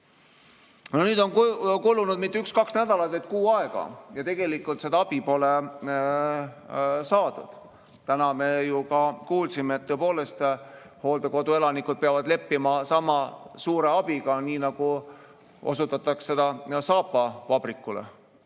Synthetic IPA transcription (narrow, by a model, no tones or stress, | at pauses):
nonyːd̪̥o̞nkulːunud̪mit̪ːeykskɑksnæd̪ɑlɑt̪veɑjt̪̚kuːɑe̞ɡ̥ɑ̰jɑt̪e̞ɡ̥e̞likːult̪se̞d̪ɑɑb̥ipo̞le | sɑːd̪ṵd̪̥ | t̪ænɑme̞jukɑkuːlsimeːt̪ːoepo̞ːle̞st̪ | ho̞ːld̪eko̞d̪̥ue̞lɑnikːˑud̪̚peɑvɑd̪le̞pːimɑsɑmɑsuːɾe̞ɑb̥iɡ̥ɑniːnɑɡ̥u | ʔo̞̰sut̪ːˑɑt̪ːˑɑksse̞d̪̥ɑsɑːpːˑɑvɑb̥rikːˑulḛ